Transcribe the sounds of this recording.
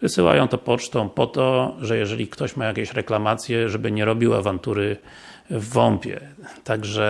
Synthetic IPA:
vɘsɘwa̰jɔ̃w̃t̪ɔpɔt͡ʂt̪ɔ̃w̃pɔt̪ɔʐɛjɛʐɛlʲikt̪ɔɕmajakʲɛɕɾɛklamat̪sʲjɛʐɛbɘɲɛɾɔbʲiwa̰vant̪uɾɘ | vːɔmpʲjɛ̰t̪aɡʐɛ

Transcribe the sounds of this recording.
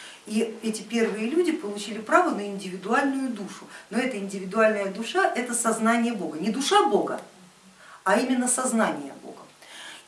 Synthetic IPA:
iɛtʲɪpʲe̞rvɨjəlʲudʲɪpəlˠʊt͡ɕilʲɪpɾavənəɪnʲdʲɪvʲɪd̪ʊalʲnʊjʊd̪uʂʊno̞ɛt̪əɪnʲdʲɪvʲɪd̪ʊalʲnəjəd̪ʊʂaʔɛt̪əsɐznanʲɪjəbo̞ɡənʲɪd̪ʊʂabo̞ɡə̰ | ɐimʲɪnːəsɐznanʲɪjə̰bo̞̰ɡə

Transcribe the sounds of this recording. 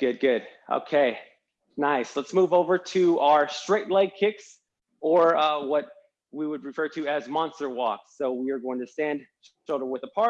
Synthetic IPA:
ɡ̥ʊd̚ɡʊd̥̚ʔo̰ʊkʰeɪ | naɪslətsmuvoʊvə˞ɾɨaʊə˞stɹ̥eɪtˡlɛɡ̚kʰɪks | ə˞wʌt̚ | wiwəd̚ɹɨfɜ˞ɾɨɨzmɑ̃nstə˞wɔksoʊwiə˞ɡoʊɪ̃ŋtʰɨsæ̃nd | ʃolˠdə̃˞wəðəpʰɑ

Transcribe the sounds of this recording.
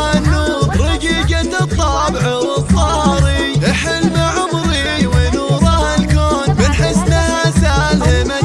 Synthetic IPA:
nːuːɾˤɪɡiːɡat̪ɨt̪ˤːɑbʕawɨt̪ˤːɑɾˤi | ʔɪħɪlmaʕʊmɾi | wɪnuːɾˤɑhalkoːnbɪnħɪsnahasaːlɪma

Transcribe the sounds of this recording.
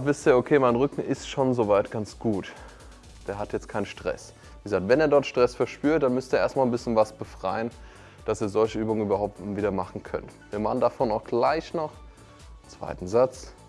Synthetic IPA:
vɪstjaokʰeːmaɪnʁʏkŋ̩ʔɪstʃoːnzovaɪtɡ̥ant͡sɡ̥uːt | d̥eːɐɦatjɛt͡stkʰaɪnənʃtʁ̥ɛ̰s | viːɡəzaːk̚tv̥ɛneːɐdɔɐtʃtʁ̥ɛsfɛɐʃpyːɐt̚d̥anmʏstəeːeːɐstmalnbɪsçənvasb̥əfʁ̥aɪən | d̥asiːɐzɔlçəʔyːbʊŋən̩yːbɐhaʊp̚tviːdɐmaχn̩kʰœ̰ntviːɐmaχn̩dafoːnaʊxɡ̥laɪçnɔχ | t͡sv̥a̰ɪtn̩zat͡s

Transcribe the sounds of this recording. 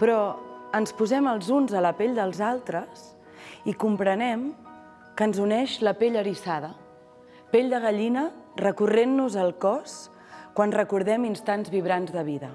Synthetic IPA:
pɾɔənspuzɛməlˠzunzələpeʎd̪əlˠzalˠt̪ɾəs | ikumpɾənɛm | kənzunɛʃləpeʎəɾisaðə | peʎd̪əɣ̞əʎinərəkurenːuzəlˠkɔs | kwanrəkuɾðɛminst̪anzβiβɾanzðəβiðə

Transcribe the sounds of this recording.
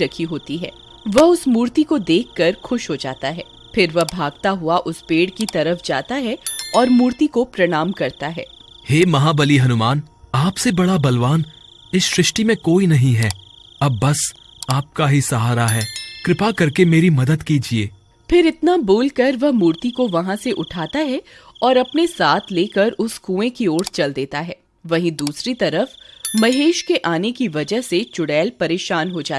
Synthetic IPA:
ɐkʰiɦoːt̪iɦɛː | ʋɐɦʊsmuːɾt̪ikod̪eːkʰːɐɾxʊʃɦod͡ʒa̰ːt̪aɦɛː | fɪɾʋɐɦbʱaːɡ̚t̪aɦʊaʔʊspeːɽkit̪ɐɾəfd͡ʒaːt̪aɦɛɔːɾmuːɾt̪ikopɾɐɽ̃aːmkɐɾt̪aɦɛː | heːmɐɦabɐliɦɐnʊmaːnaːpsebɐɽabɐlʋaːn | ɪsʃɾɪʃʈimẽkoːinɐɦĩɦɛːɐbːɐs | aːp̚kaɦisɐɦaːɾaɦɛːkɾɪpakɐɾkemeːɾimɐd̪əd̪kiːd͡ʒieː | pʰɪɾɪt̪naboːlkɐɾʋɐɦmuːɾt̪ikoʋɐɦãseʔʊʈʰaːt̪aɦɛɔːɾɐpnesaːt̪ʰleːkəɾʊskũːẽkioːɾst͡ʃɐld̪eːt̪aɦɛː | ʋɐɦĩd̪uːsɾit̪ɐɾəfmɐɦeːʃkeʔaːnekiʋɐd͡ʒəɦset͡ʃʊɽɛːlpɐɾeːʃaːnɦod͡ʒaːt̪ː

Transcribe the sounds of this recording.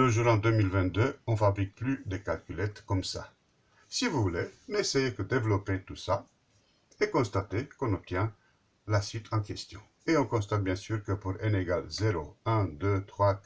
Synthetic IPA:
ləʒuɾɑ̃d̪ømilvɛ̃nt̪̚d̪øɔ̃fabʁik̚plyd̪ekalkʲylɛt̪kɔmsa̰ | sivuvulenesejekəd̪evlɔpet̪usa | ekɔ̃st̪at̪ekɔ̃nɔp̚t̪jɛ̃ | lasɥit̪ʰɑ̃kɛst̪jɔ̰̃ | eɔ̃kɔ̃st̪at̪̚bjɛ̃syʁkəpuɾeneɡalzeɾoɛ̃d̪øt̪χwa

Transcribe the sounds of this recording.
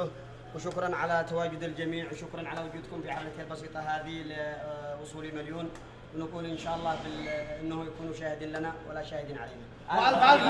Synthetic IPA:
wʃʊkɾˤɑnʕalat̪ːawaːd͡ʒʊd̪əld͡ʒæmiːʕwʃʊkɾˤɑnʕalawʊd͡ʒuːd̪kʊmfiʕamlat̪halbɑsiːt̪ˤɑɦaːd̪ilwʊsˤuːlimæljuːn | wnəkuːlʔənʃaʔɑlˤːɑhfiʔənːhʊjakuːnuʃaːhɪd̪iːnlanawəlaʃaːhɪd̪iːnʕa̰lajna | ʔalfal

